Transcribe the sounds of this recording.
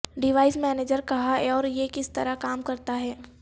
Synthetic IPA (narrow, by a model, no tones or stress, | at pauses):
ɖɪʋaːɪsmɛːneːd͡ʒəɾkɐɦaɛɔːɾjekɪst̪ɐɾakaːmkɐɾt̪aɦɛː